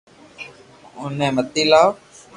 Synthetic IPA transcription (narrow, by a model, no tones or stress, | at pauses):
ʊnẽːmət̪iːlaːo